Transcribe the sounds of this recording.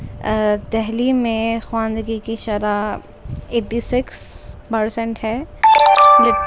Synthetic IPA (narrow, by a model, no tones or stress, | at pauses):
d̪ɛɦlimẽxwãːnd̪ɡikiʃɐɾa | eːʈːisɪkspɐɾsɛ̃ɳʈhɛː | lɪ